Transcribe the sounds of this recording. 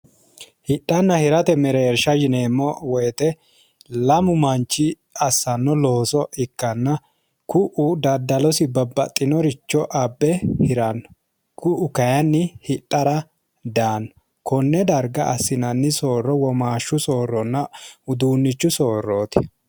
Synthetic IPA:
hɪɗːɐnːɐhɪɾɐt̪ɛmɛɾeːɾʃɐjɪneːmːɔwɔjt̪ɛ | lɐmʊmɐnt͡ʃːɪ | ɐsːɐnːɔloːsɔʔɪkːɐnːɐ | kʊʔʊd̪ɐd̪ɐlɔsɪbɐbːɐ̰t̪ʼːɪnɔɾɪt͡ʃːɔʔɐbːɛhɪɾɐnːɔ | kʊʔʊkɐjɐnːɪhɪɗʼːɐɾɐ | d̪aːnːɔ̥ | kɔnːɛd̪ɐɾɡɐʔːsːɪnɐnːɪso̞ːrːɔwɔmaːʃːʊso̞ːrːɔnːɐʊd̪uːnːɪt͡ʃːʊso̞ːrːoːt̪ɪ̥

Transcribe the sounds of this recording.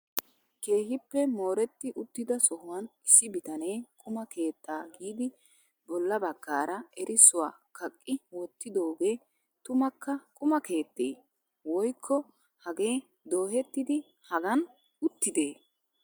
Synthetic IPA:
ke̞ːhɪpːɛmo̞ːɾɛt̪ːɪʔʊt̪ːɪd̪ɐsɔhʊwɐnɪsːɪbɪt̪ɐne̞ːkʼʊmɐke̞ːt̪ːaːɡiːd̪ɪ | bɔlːɐbɐɡ̥ːaːɾʔɐɛɾʔɪsʊwa̰ːkɐkʼːɪwɔt̪ːɪd̪o̞ːɡe̞ː | t̪ʊmɐkːɐkʼʊmɐke̞ːt̪ːeː | wɔjkʰːɔ | hɐɡe̞ː | d̪o̞ːhɛt̪ːɪd̪ɪ | hɐɡɐn | ʊt̪ːɪd̪e̞ː

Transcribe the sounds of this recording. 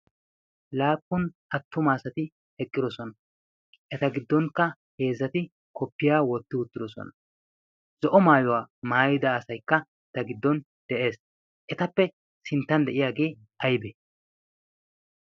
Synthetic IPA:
laːpːʊnʔɐt̪ːʊmaːsɐt̪ɪ | hɛkʼːɪd̪ɔsɔnɐ | ʔɛt̪ɐɡɪd̪ːɔŋkːɐ | he̞ːzːɐt̪ɪ | kɔpːɪjaːwɔt̪ːɪʊt̪ːɪd̪ɔsɔ̰nɐ | zɔʔɔmaːjɔwaːmaːjɪd̪ɐːsɐjkːɐ | ɛt̪ɐɡɪd̪ːɔn | d̪̥ɛʔe̞ːs | ʔɛt̪ɐpːɛ | sɪnt̪ːɐnd̪ɛʔɪjaːɡe̞ː | ʔɐjbɛ

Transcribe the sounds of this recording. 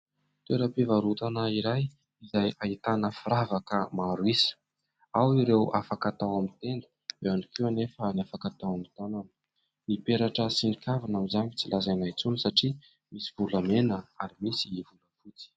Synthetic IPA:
t̪eɾəpivaɾut̪anəiɾaj | izajait̪anəfiɾavakəmaɾwisə̥ | awiɾewafakat̪awamint̪end̪ə̥ | d̪eanikʰiwanefənjafakat̪awamit̪ananə̥ | nipeɾaʈ͡ʂəsinikʰavanamizaɲit͡silazajnajt͡sunisaʈ͡ʂi | misivulamenəaɾimisivuləfut͡si̥

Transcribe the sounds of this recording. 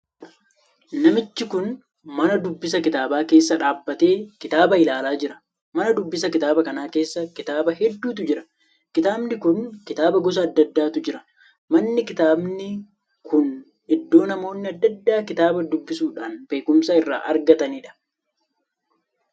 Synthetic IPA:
nɐmɪt͡ʃːɪkʊn | mɐnɐd̪ʊbːɪs̬ɐkɪt̪aːbaːke̞ːsːɐᶑaːbːɐt̪e̞ːkɪt̪aːbɐɪlaːlaːd͡ʒɪɾɐ̥ | mɐnɐd̪ʊbːɪsɐkɪt̪aːbɐkɐnaːke̞ːsːɐkɪt̪aːbɐɦɛd̪ːuːt̪̬ʊd͡ʒɪɾɐ̥ | kɪt̪aːbnɪkʊnkɪt̪aːbɐɡɔs̬ɐːd̪ːɐd̪ːaːt̪ʊd͡ʒɪɾɐ | mɐnːɪkɪt̪aːbnɪ | kʰʊn | ʔɛd̪ːo̞ːnɐmo̞ːnːɪɐd̪ːɐd̪ːaːkɪt̪aːbɐd̪ʊbːɪsuːᶑaːnbe̞ːkʊmsaːɪrːa̰ːʔɐɾɡɐt̪ɐniːᶑɐ̥

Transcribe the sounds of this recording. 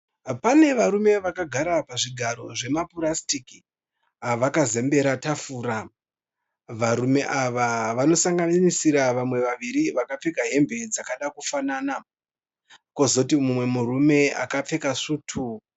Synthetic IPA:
pane̞ʋaɾume̞ʋakaɡʱaɾapaʐiɡʱaɾo̞ʐe̞mapuɾastiki | aʋakaze̞mbe̞ɾatafuːɾa | ʋaɾume̞ʔaʋaʋano̞saŋɡanisiɾaʋamwe̞ʋaʋiɾiʋakap͡fe̞kaɦe̞mbʱe̞d͡zakaɗakufanaːna | ko̞zo̞timumwe̞murume̞a̰kap͡fe̞kaʂuːtʰu

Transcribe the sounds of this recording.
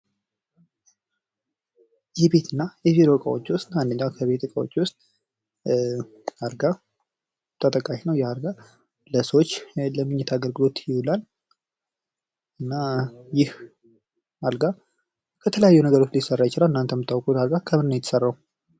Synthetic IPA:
jɛbe̞t̪ʰɨnːajɛviɾokʼa̰wot͡ʃːwʊst̪and̪əɲːawkʰəβe̞t̪ɨkʼawo̰t͡ʃːwʊst̪ʼ | alɡa | t̪ʰət̪ʼəkʼaʃnəwjɛhalɡa | ləsəwot͡ʃːləmːɨɲːɛt̪ʰaɡəɾɡɨlo̞t̪jɪhulal | ɨnːajɪh | halɡa | kʰət̪ʰələjajːunəɡəɾo̞t͡ʃːlisərːajɪt͡ʃɪlalɨnːant̪ʰəmɨt̪ʰːawkʼut̪haɾɡakʰəmɨnnːəjɛt̪ːə̥sərːau

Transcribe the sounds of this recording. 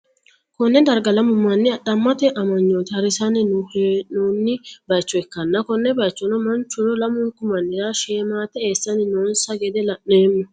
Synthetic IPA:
kɔnːɛd̪ɐɾɡɐlɐmʊmːɐnːɪɐdɐmːɐt̪ɛʔɐmɐɲːoːt̪ɐɾɪsɐnɪnʊhnunːɪbɐjt͡ʃːɔɛkːɐnːɐkɔnːɛbɐjt͡ʃːɔnɔmɐnt͡ʃːʊɾɔlɐmʊŋkʊmɐnːɪɾaʃeːmaːt̪ɛeːsːɐnɪnoːnsɐɡɛd̪ɛlɐʔneːmːɔ

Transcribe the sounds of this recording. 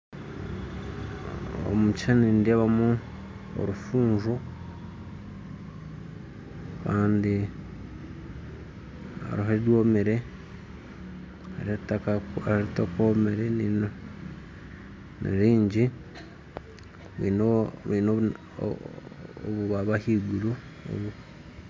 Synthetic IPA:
o̰mut͡ʃanindaβamu | o̰ɾufuːɲʒo | kaːndi | a̰ɾuɦaɾidwoːmeɾe̞ | a̰ɾetakaaɾaɾutakomeɾenin | nḛɾiːɲɟi | βḭnoβano̰ | oβuβaβahiɡuɾu | o̰βu

